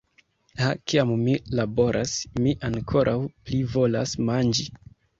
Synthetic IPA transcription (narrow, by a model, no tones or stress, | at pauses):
hakiammilabo̞ɾʔasmiʔaŋkʰo̞ɾʔawplivo̞lasmand͡ʒi